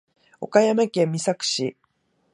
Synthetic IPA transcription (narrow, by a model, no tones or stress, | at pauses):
o̞̰kajamakẽ̞mʲːisakɯ̟̥ɕi